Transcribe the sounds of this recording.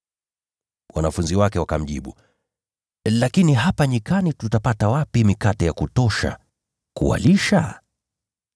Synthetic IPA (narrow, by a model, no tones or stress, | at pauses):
wanafunziwakɛwakam̩ʄḭɓu | lakiniɦapaɲikanitutapatawapimikatɛjakutɔʃa̰ | kṵa̰liʃa̰